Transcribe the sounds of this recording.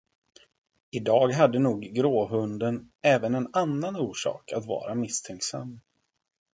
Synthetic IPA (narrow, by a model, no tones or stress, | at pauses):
ɪd̪ɑːɡɦad̪ːənuːɡːɾoːɦɵnd̪ən | ɛːvənɛnanːanuːʂɑ̰ːkʰat̪vɑ̰ːɾamɪst̪ʰɛŋksa̰mː